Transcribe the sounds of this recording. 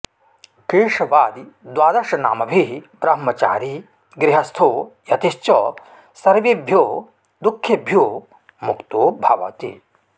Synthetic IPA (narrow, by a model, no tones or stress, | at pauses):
kiːʂɐʋaːd̪id̪ʋaːd̪ɐɾʂɐnaːmɐbʱibɾɐɦmɐt͡ʃa̰ːɾi | ɡɾɪɦɐst̪ʰoːjɐt̪iʃt͡ʃɔ | sɐɾʋibʱjoː | d̪ukʰːjɐbʱjoː | mukt̪oːbʱɐʋɐ̰t̪ḭ